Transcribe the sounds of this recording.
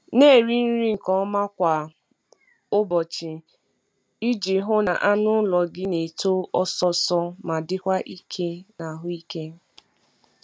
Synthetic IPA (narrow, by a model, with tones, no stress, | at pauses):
ne˦˨ɾi˦n̩˦ɾi˦ŋ̩˨kɔ˦ma˦kʷa˨ | ʊ˦bɔ˨t͡ʃɪ˨ | i˦d͡ʒi˨ɦʊ˦na̰˨ʔa˦nʊ˦lɔ˨ɡɪ˦ne˨to˦ɔ˦sɔ˦sɔ˦ma˨dɪ˦kʷa˦ʔi˦kʰe˦na˨ɦʊ˦i˦ke˦